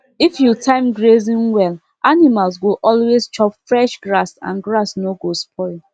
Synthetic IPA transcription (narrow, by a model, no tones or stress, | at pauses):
ifjutʰãɪ̃mɡɹezĩnwɛl | animalsɡoʔɔlwezt͡ʃɔpfɹɛʃɡɹasã̰nɡɹasnoɡospʰɔɪ